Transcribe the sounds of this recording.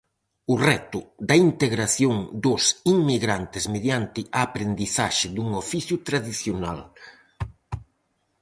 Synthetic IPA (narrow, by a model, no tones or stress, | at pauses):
ʊrɛt̪ʊd̪ɐint̪eɣɾaθjoŋd̪ʊsiŋmiɣɾant̪ɪzmeðjant̪ɪʔaːpɾend̪iθaʃɪd̪uŋofiθjʊt̪ɾaðiθjona̰l